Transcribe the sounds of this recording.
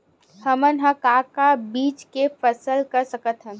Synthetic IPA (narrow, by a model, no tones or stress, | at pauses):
hɐmənɦãkaːkabiːt͡ʃkefəsəlkɐɾsəkət̪ɦə̃